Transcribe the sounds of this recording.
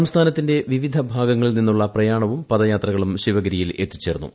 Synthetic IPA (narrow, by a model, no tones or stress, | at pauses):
ɐmst̪ʰaːnɐt̪ːinde̞ʋiʋid̪ʱɐbʱaːɡɐŋːɐɭilninːuɭːɐprɐjaːɳɐʋumpɐðɐjaːt̪rɐɣɐɭumɕiʋɐɡɐɾijile̞t̪ːi̥t͡ɕːe̞ːɾunːṵ